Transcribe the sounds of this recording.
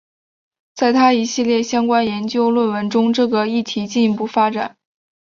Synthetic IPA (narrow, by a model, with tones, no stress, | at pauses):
t͡sa˥˩ɪt̪ʰa˥i˧˥ɕi˥˧ljɛ˥˩ɕjɑ˥ŋkwa˥njɛ˧˥nt͡ɕjo˥ʊlwə˥˩nwə˧˥nʈ͡ʂʊ˥ŋʈ͡ʂɤ˥˩ɡə˩i˥˩t̪ʰi˧˥t͡ɕi˥˩ni˧˥pu˥˩fa˥ʈ͡ʂa̰˨˩˦n